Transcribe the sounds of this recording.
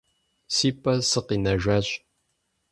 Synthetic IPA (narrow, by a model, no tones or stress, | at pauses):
siːpʼːɐsɨqinɐʒʷaːɕʼ